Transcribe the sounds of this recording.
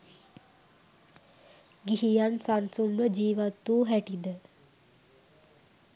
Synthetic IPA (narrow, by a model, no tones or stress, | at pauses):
ɡiɦijansansunʋəd͡ʒiːʋat̪ːuːɦɛʈid̪ə